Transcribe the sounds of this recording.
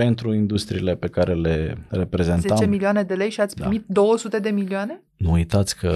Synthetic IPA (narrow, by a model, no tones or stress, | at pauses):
e̞nt̪ɾuind̪ust̪ɾḭːle̞pe̞kaɾe̞le̞re̞pɾe̞ze̞nzeat͡ʃemilioane̞d̪e̞le̞jʃiat̪sʲpɾimit̪̚d̪o̞wəsut̪e̞d̪e̞milioane̞ | nuujt̪at̪sʲkʰə